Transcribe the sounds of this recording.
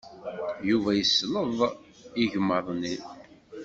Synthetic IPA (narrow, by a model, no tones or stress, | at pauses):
juvæjəsːləðˤ | iʝəmːəðˤni